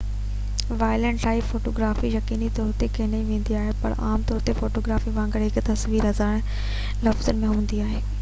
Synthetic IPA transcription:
ʋaːɪlẽɳʈʈaːɪfoːʈoːɡɾaːfijɐkiːnit̪ɔːɾt̪ekʰeːnɐĩʋẽːn̆d̪iaːɦepɐ̰ɾaːmt̪ɔːɾt̪efoːʈoːɡɾaːfiʋãːŋɡəɽɦɪkt̪ɐsʋiːɾɦɐzaːɽ̃ | lɐfzənɪ̆mẽɦũːn̆d̪iaːɦeː

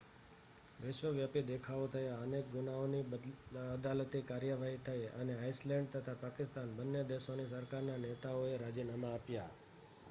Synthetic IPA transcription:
ʋɪʃʋəʋjapid̪ekʰaot̪ʰəjaənek̚ɡʊnaoniəd̪alət̪ikaɾjəʋaɦit̪ʰəjəneaislɛ̃ɳɖ̚t̪ət̪ʰapakɪst̪anbənːed̪eʃonisəɾkaɾnanet̪aoeɾad͡ʒinamaːpja

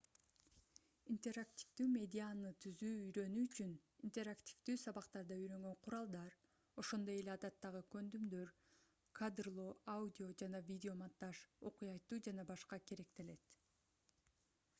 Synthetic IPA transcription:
int̪ʲe̞ɾakt̪ʲi̥fd̪yːmʲe̞dʲɪanɯt̪ʰyzyːyjɾø̞nyyt͡ʃynint̪ʲe̞ɾaktʲi̥vd̪yːsɑβɑqt̪ɑɾd̪ɑyjɾø̞ŋɡø̞ɴqʰʊɾɑlˠd̪ɑɾ | o̞ʃo̞nd̪o̞je̞lʲeɑd̪ɑt̪ːɑʁɯkø̞nd̪ymd̪ø̞ɾ | kʰad̪rlˠoaudʲɪo̞d͡ʒɑnɑvʲidʲɪo̞mant̪ːɑʃo̞̰qujɑjt̪ːuːd͡ʒɑnɑbɑʃqɑke̞ɾe̞k̚t̪e̞le̞t̪

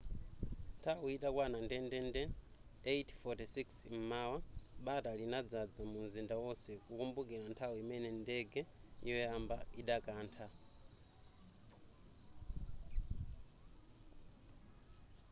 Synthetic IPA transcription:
ntʰawuitakwanandɛndɛndɛ | etʰfɔtisiksm̩maːwaɓatalinad͡zad͡zamunzindawɔsɛkukumbuk̬iɺantʰawuimɛnɛndɛɡɛiwɛambaiɗakaːntʰa

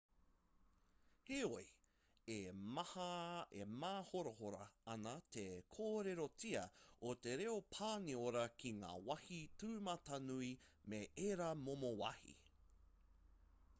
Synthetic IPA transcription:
heoj | eɐhɐḛmaːhoɾohoɾɐ̰ɐnɐt̪ʰekʰoːɾeɾot͡siɐot̪eɾeopʰaːnioɾɐkʰiŋa̰ːwɐhitʉːmɐtɐnui | meʔeɾɐmomowɐ̰hḭ

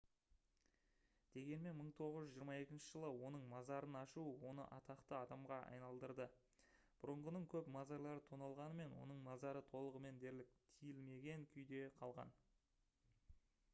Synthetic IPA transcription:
d̪̥e̞ɡʲe̞nme̞nməɴt̪ʰo̞ʁəzʒʏzʒijəɾmɑe̞kʲɪnʃɪʒəlˠəwo̞nəɴmɑzɑɾənɑʃuwo̞nə̰ʔɑt̪ɑqt̪əɑd̪ɑmʁɑʔɑ̰jnɑlˠd̪əɾd̪ə | b̥ʊɾəɴʁənəɴkʲʰɵpmɑzɑɾlˠɑɾət̪ʰonɑlˠʁɑnəme̞nwo̞̰nəɴmɑzɑɾət̪ʰo̞lˠəʁəme̞nd̪e̞ɾlɪk̚t̪ʰijɪlme̞ɡʲe̞ŋkʲʰʏjd̪e̞qʰɑlˠʁɑ̰n

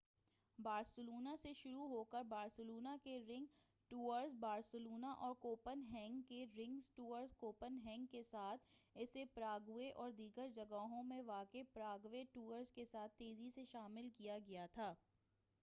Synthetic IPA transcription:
baːɾsəluːnaseʃʊɾuɦoːkəɾbaːɾsəloːnakeɾɪ̃ŋɡ | ʈuːəɾzbaːɾsəluːnaʔɔːɾkoːpənɦɛ̃ːŋɡkeɾɪ̃ŋɡzʈuːəɾzkoːpənɦɛ̃ːŋɡkesaːt̪ʰɪsepɾaːɡʊeʔɔːɾd̪iːɡəɾd͡ʒɐɡaɦõmẽʋaːkepɾaːɡweʈuːəɾzkesaːt̪ʰːeːziseʃaːmɪlkijaɡɐjat̪ʰaː

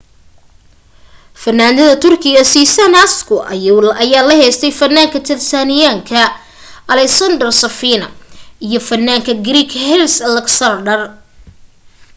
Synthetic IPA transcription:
fɐnːaːnd̪ɐðɐt̪ʰʊrkʰɪɣɐsiːsɐnɐskʰʊʔɐ̰jlɐjaːlɐɦɛjst̪ʰɛjfɐnːaːŋkʰɐt̪ʰɪrsaːnɪjaːŋkʰɐ | ɐlɛksɐnd̪ɐrsɐfiːnɐ̰ijɞfɐnːaːŋkʰɐɡɾiːkhɛlslɐksɐnɖɐr

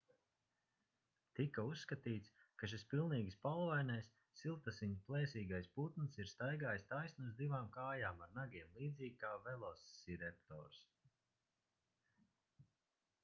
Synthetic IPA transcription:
t̪ikausːkat̪iːt̪skaʃ̬ispilˠniːɡspalˠvajnɛjsːilˠt̪asiɲplˠɛːsiːɡajsput̪nsiɾst̪ajɡaːjst̪ajsnuzd̪ivaːmkaːjaːmaɾnaɡʲiɛmlˠiːd̪ziːɡkaːvɛlˠɔsːiɾɛpt̪ɔ̰ːɾs

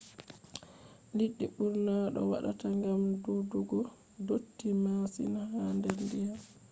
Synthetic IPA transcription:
liɗːiɓuɾnaɗɔ̰wa̰ɗa̰taŋɡamduduɡɔ | dotːimasḭnahandɛɾndija

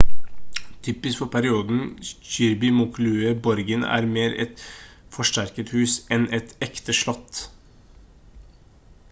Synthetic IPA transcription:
t̪ʰʏːpɪsfɔɾpʰæɾɪuːd̪n̩çʏɾbɪmʊklʉːəbɔɾɡənæ̰ːɾmeːɾɛ̰t̪fɔʂʈæɾkət̪hʉːsɛnɛt̪ɛkt̪əʂɭɔt̪ː

